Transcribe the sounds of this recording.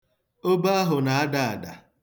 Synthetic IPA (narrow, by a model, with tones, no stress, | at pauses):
o˦ba˦a˦ɦʊ˨na˨a˦da˨a˨da̰˨